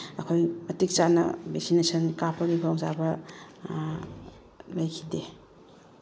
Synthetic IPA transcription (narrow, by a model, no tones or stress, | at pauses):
ɐkʰojmɐtik̚t͡ʃanɐ̰bek̚sinesʰɐnkapʰaɡibʰaŋzabɐ | lajkʰide